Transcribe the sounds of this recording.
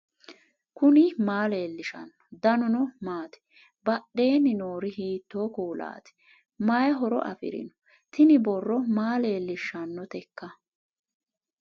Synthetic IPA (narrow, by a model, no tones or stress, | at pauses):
kʊnɪmaːle̞ːlːɪʃɐ̰nːɔ̥d̪ɐnʊnɔmaːt̪ɛ̥ | bɐɗe̞ːnːɪnoːɾɪhiːt̪ːo̞ːkuːla̰ːt̪ɛ̥ | mɐjɐɦɔɾɔ̰ʔɐ̰fɪ̰ɾɪ̰nɔ̥ | t̪ʰɪnɪbɔrːɔmaːle̞ːlːɪʃːɐnːɔt̪ɛkːɐ